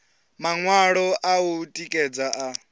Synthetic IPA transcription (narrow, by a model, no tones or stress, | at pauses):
maŋwaɺɔʔautʼikʼɛd͡zaʔa